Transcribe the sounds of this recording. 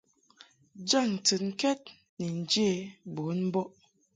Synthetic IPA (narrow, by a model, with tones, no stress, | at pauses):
d͡ʒa˦˨ŋ̩˨tɨ˨ŋ̩˦kɛ˦t̚ | ni˨n̩˨d͡ʒe˦˨bo˨˦nm̩˦bɔ˦ʔ